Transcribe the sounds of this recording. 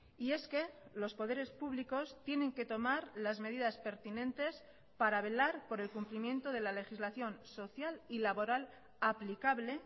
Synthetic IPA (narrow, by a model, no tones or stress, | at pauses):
ie̞ske̞lo̞spo̞ð̞e̞ɾe̞spuβ̞liko̞st̪je̞nẽ̞ŋke̞t̪o̞maɾlazme̞ðiðaspe̞ɾt̪inẽ̞nt̪e̞s | paɾaβe̞laɾpo̞ɾe̞lkumplimjẽ̞nt̪o̞ðe̞lale̞xizlaθjo̞nso̞θjalilaβo̞ɾal | aplikaβle̞